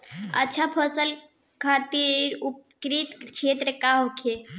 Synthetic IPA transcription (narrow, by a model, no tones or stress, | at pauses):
ə̰tːt͡ʃʰapʰəsəl | kʰat̪iɾupkɾit̪t͡ʃʰet̪ɾəkaɦokʰe